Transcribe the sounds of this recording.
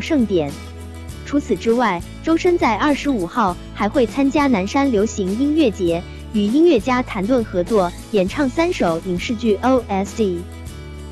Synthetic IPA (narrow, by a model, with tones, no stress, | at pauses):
ʂɤ˥˩ŋt̪jɛ˨˩˦n | ʈ͡ʂʰu˧˥t͡sʰɹ̩˨˩ʈ͡ʂɻ̩˥wa˥˩ɪ | ʈ͡ʂo˥ʊʂə˥nt͡sa˥˧ɪɐ˞˥˩ʂɻ̩˧˥u˨˩xɑ˥˩ʊ | xa˧˥ɪxwe˥˩ɪt͡sʰa˥nt͡ɕja˥na˧˥nʂa˥nljo˧˥ʊɕi˧˥ŋi˥ŋɥɛ˥˩t͡ɕjɛ˧˥ | y˨˩i˥nɥɛ˥˩t͡ɕja˥t̪ʰa˧˥nt̪wə˥˩nxɤ˧˥t͡swɔ˥˩ | jɛ˨˩nʈ͡ʂʰɑ˥˩ŋsa˥nʂo˨˩ʊi˨˩ŋʂɻ̩˥˧t͡ɕy˥˩ʔo˥ʊʔɛ˥sdi˥˩